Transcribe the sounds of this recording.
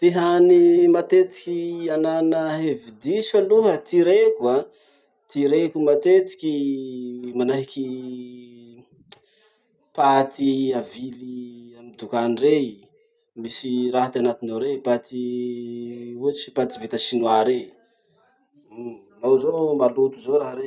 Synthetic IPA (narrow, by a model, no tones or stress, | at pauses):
t̪iɦanimat̪et̪i̥kʲiananəɦevid̪isaluɦət̪iɾekua | t̪iɾekumat̪et̪i̥kʲi | manaɦiki | pat̪iaviliamid̪ukanire | misiɾaɦat̪anat̪inoɾepat̪i | uət͡ʃi̥pat̪ivit̪əsinwaɾe | nozomalut̪uzoɾaɦəɾe